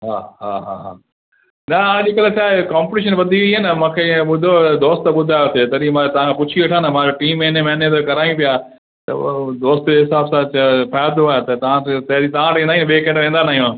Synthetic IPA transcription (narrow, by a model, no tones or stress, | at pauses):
ɦaːɦaːɦa̰ɦa̰ː | nɐãʄekɐlet͡ɕʰaːekaːmpɪʈiːʃ̬ənʋɐd̪ʱiiɦenɐmãːkʰẽːɓʊd̪ʱod̪oːst̪ɓʊd̪ʱaːjot̪ʰeːt̪ɐɾimãt̪ɐʋ̤ãkʰːpʊt͡ɕʰiʋeʈʰãːnɐmãːd͡ʑoʈiːmːeːnemẽɐnẽt̪okɐɾaːĩpija | t̪ɐ̰d̪oːst̪d͡ʑeɦɪsaːbsãt͡ɕpʰajaːɾd̪oaːet̪ɐt̪ɐʋ̤ãt̪ɐɦɾit̪ɐʋ̤ãʈ̪ĩnd̪aɦĩnɓeːkẽʈʋẽːnd̪anaːijũ